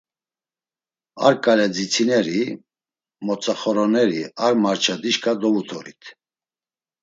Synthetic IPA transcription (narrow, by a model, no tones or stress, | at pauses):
a̰ɾkʼalɛd͡zit͡sʰinɛɾi | mɔt͡sʼaχɔɾɔnɛɾiaɾmaɾt͡ʃʰad̪iʃkʰʼad̪ɔvut̪ʰɔɾḭt̪ʰ